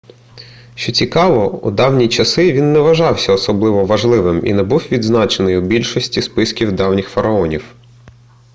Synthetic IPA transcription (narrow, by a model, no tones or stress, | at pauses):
ʃt͡ʃɔt͡sʲikɑʋɔṵd̪ɑwnʲit͡ʃɐsɪʋʲinːɛʋɐʒɑwsʲɐɔsɔblˠɪʋɔʋɐʒlˠɪʋɪmḭnɛbuwʋʲid̪znɑt͡ʃenɪjubʲilʲʃɔsʲtʲispɪskʲiwd̪ɑwnʲɪxfɐɾɐɔnʲiw